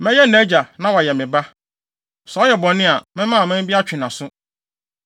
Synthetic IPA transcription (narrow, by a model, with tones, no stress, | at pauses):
mɛ̃˦jɛ˦nɛ˨˦d͡ʑa˨nã˦wa˨jɛ˨mɪ̃˨ba˦ | sɔ˨ɔ˦jɛ˨bɔ̃˨nɪ̃˦a˨mɪ̃˦mã˦˨mɪ̃˦m˦bi˦a˦t͡ɕᶣɪ̃˨nã˨sʊ˦